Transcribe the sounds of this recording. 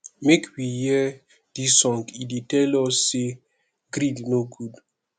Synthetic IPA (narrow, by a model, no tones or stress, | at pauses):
mekwijɛ | d̥isɔ̃nkiditɛlɔsːe | ɡɾidnoɡud